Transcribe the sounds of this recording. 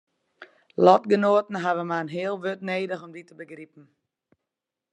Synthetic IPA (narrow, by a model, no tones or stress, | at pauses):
lɔtɡənoːətn̩ɦaʋəmaənɦɪəlˠʋøtneːdəxɔmditəbəɡripn̩